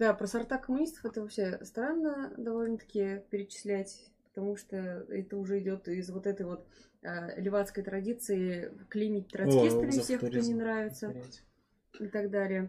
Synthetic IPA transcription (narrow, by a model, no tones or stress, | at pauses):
d̪apɾəsɐrt̪akəmʊnʲist̪ə̥fɛt̪əvɐfɕe̞st̪ɾanːəd̪ɐvo̞lʲnət̪ɐ̥kʲɪjəpʲɪɾʲɪt͡ɕɪ̥sʲlʲætʲpə̥t̪ɐmuʂt̪oɛt̪əʊʐɛɪdʲo̞t̪ɪzvo̞t̪ɛt̪əjvo̞t̪ | əlʲɪvat̪skəjt̪ɾɐdʲit̪sɨɪklʲimʲɪtʲt̪ːɾɐsʲest̪ɾʲfsʲexkt̪onʲɪnɾavʲɪt̪sə | ɪt̪ɐɡd̪alʲɪjə